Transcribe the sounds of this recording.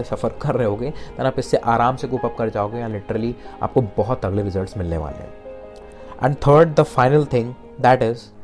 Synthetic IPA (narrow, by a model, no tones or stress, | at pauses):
sɐfəɾkɐɾːɛɦeɦoːɡeːt̪ɛnaːpɪsːeʔaːɾaːmsekuːpɐp̚kɐɾd͡ʒaːoːɡejãːlɪʈɾəlia̰ːp̚kobɔɦʊt̪ɐɡleʋɪzəɾʈsmɪlnḛʋa̰ːlḛɦɛ̰̃ | ʔɛ̰̃ɳɖt̪ʰəːɾɖ̚d̪əfaɪnəlt̪ʰɪ̃ŋɡ | d̪ɛːʈɪz